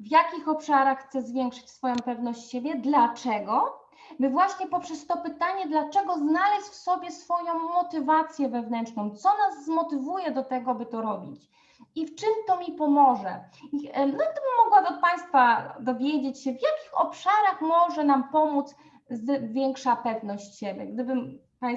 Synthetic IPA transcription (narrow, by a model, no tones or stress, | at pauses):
vjakʲixɔpʂaɾaxxt̪sɛzvʲjɛŋkʂɘ̥t͡ɕsfɔjɔ̃w̃pɛvnɔɕt͡ɕɕebʲjɛd̪lat͡ʂɛɡɔ | bɘvwaɕɲɛpɔpʂɛst̪ɔpɘt̪aɲɛd̪lat͡ʂɛɡɔznalɛɕfsɔbʲjɛsfɔjɔ̃w̃mɔt̪ɘvat̪sʲjɛvɛvnɛnt͡ʂnɔ̃w̃t̪sɔnazːmɔt̪ɘvujɛd̪ɔt̪ɛɡɔabɘt̪ɔɾɔbʲḭt͡ɕ | ift͡ʂɘmt̪ɔmʲipɔmɔʐɛ̰ | inɔɡ̚d̪ɘbɘmːɔɡwabɔt̪̚paj̃st̪fad̪ɔvʲjed͡ʑet͡ɕɕɛvjakʲixɔpʂaɾaxmɔʐɛnampɔmud̪s | zvʲjɛŋkʂapɛvnɔɕt͡ɕɕɛbʲjɛɡ̚d̪ɘbɘm | pã